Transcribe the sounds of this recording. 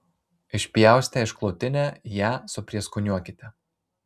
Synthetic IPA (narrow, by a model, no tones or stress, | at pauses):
ɪʃʲpʲjæˑʊsʲt̪ʲɛɪʃklˠɔʊt̪ʲɪnʲæːjæːsʊpʲɾʲiɛskʊnʲuɔkʲɪt̪ʲɛ